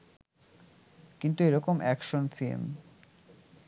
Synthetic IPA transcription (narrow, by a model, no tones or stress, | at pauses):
kint̪ueɾɔkomʔɛkʃonfḭm